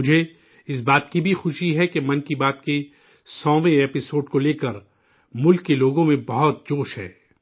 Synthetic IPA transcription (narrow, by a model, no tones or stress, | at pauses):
mʊd͡ʒʱe | ɪs̬baːt̪kibʱixʊʃiɦɛkemɐ̃nkibaːt̪ke | sɔ̃ːʋẽeːpɪsoːɖkoleːkəɾ | mʊlkːeloːɡõmẽbɐɦʊt̪̚d͡ʒoːʃɦɛ̰ː